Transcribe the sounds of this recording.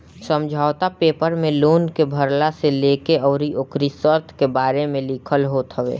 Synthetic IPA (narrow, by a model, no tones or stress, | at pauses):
sə̃md͡ʒʱaːʋt̪apeːpəɾmẽloːnkebʱəɾlaseleːkeɔːɾiʔokɾisəɾt̪ʰkebaːɾemẽlikʰəlɦoːt̪ɦəʋḛː